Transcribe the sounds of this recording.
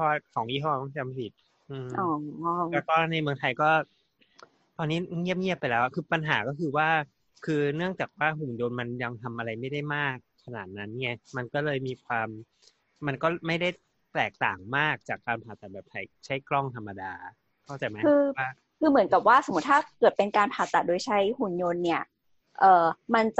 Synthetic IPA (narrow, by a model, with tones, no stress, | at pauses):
ɔ˧˦wa˥˩kʰɔː˩˦ŋʔiː˥˩ɦɔ˥˩˥t͡ɕa˧m˧si˨˩t̪̚ | ʔɯː˧ɔ˧˩˧lɛː˦˥kɔː˥˩na˧jmɯ˧ŋt̪ʰa˧jkɔː˥˩ | t̪ʰɔː˧nːiː˦˥ŋi˥˩əp̚ŋi˥˩əpːa˧jlɛː˦˥wa˨˩kʰɯː˧pa˧nɦaː˩˦kɔː˥˩kʰɯː˧waː˥˩ | kʰɯː˧nɯ˥˩əŋt͡ɕaː˨˩k̚waː˥˩ɦu˨˩ndoː˧nma˧nja˧ŋt̪ʰa˧mʔa˧ɾa˧jma˥˩jda˥˩jmaː˥˩kʰːa˧na̰ː˨˩t̪̚na˦˥nːi˦˥˩ɐma˧nkɔː˥˩lɤː˧jmiː˧kʰwaː˧mː | a˧nkɔː˥˩ma˥˩jda˥˩j | t̪ɛː˨˩k̚t̪a̰ː˨˩ŋmaː˥˩k̚t͡ɕaː˨˩kːaː˧npʰaː˨˩t̪ːa˨˩bɛː˨˩p̚sʰa˨˩˦jt͡ɕʰa˦˥jklɔ˥˩ŋt̪ʰa˧mːa˧daː˧ | kʰɔ˥˩t͡ɕa˨˩ma˦kʰɯː˧aː˥˩ | kʰɯː˧mɯ˩˦nka˨˩p̚waː˥˩so˨˩˦mː˦˥t̪ʰːaː˥˩kɤː˨˩t̪̚pe˧nkaː˧npʰaː˨˩t̪ːa˨˩t̪̚doː˧jt͡ɕʰa˦˥jhu˨˩njo˧nːi˥˩ɐ | ʔɤː˨˩ma˧nt͡ɕ